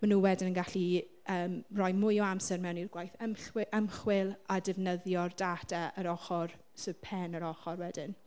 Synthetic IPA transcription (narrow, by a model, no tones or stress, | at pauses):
manuːwɛdɪnənɡaɬi | əːmrɔjmʊjɔamsɛrmɛwnirɡwajθəmʔəmχwɪlˠadɪvnəðjɔrdatɛʔəɾɔχɔr | sɨ̥pʰɛnəɾɔχɔrwɛdɪn